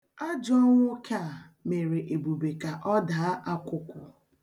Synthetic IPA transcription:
a˦d͡ʒɔ˦ŋʷ˦ʊ˦kʰa˦˨ | me˨ɾe˨ʔe˨bu˨be˨ka˨ʔɔ˦da˨˦ʔa˦kʷʊ˦kʷʊ˨

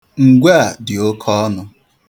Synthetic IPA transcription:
ŋ̩˨ɡʷa˦a˨dɪ˨o˦kʰɔ˦ɔ˦nʊ˦

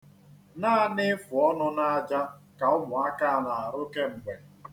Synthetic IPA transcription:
naː˦a˦˨nɪ˦fʊ˨ɔ˦nʊ˦na˦a˦d͡ʒa˦ka˨ʊ˦mʊ˨a˦ka˦a˨la˨a˨ɾʊ˦ke˦m̩˨ɡ͡be˨

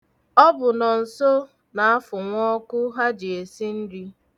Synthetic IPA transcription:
ɔ˦bʊ˨nɔ˨n̩˨so˦ | na˨a˦fʊ˨ŋʷɔ˦kʊ˦ɦa˦d͡ʒi˨e˨si˦n̩˦di˦

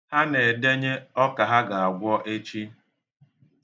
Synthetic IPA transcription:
ha˦ne˨de˦ɲe˦ɔ˦ka˨ɦa˦ɡa˨a˨ɡʷɔ˦ʔe˦t͡ʃi˦

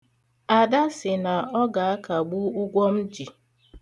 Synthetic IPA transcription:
a˨da˦sɪ˨na˨ɔ˦ɡa˨a˦ka˨ɡ͡bu˦ʊ˦ɡʷɔ˦m̩˦d͡ʒi˨

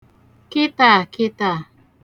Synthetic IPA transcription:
ki˦t̪a˨ki˦t̪a˨

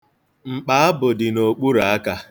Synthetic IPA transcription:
ŋ͡m̩˨k͡pa˦a˦bʊ˨dɪ˨no˨k͡pu˦ɾa˨a˦ka˦

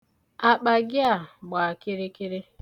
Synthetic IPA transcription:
a˨k͡pa˨ɡɪ˦a˨ɡ͡ba˨a˨kɪ˦ɾɪ˦kɪ˦ɾɪ˦

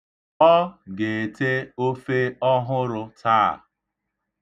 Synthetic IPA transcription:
ɔ˦ɡe˨e˨te˦o˦fe˦ɔ˦ɦʊ˦ɾʊ˧taː˦˨

